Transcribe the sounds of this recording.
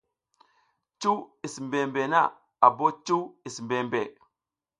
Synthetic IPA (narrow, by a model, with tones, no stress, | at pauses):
t͡ʃu˦wi˨smbe˨mbe˨na̰˦˨ | a˨bo˦t͡ʃu˦wi˨smbe˨mbe˨